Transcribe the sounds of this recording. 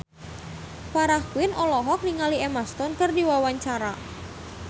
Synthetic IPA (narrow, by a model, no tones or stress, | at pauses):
paɾahkwɪnʔɔlɔɦɔk̚niŋaliemast̪ɔnkərdiwawaɲt͡ʃaɾa̰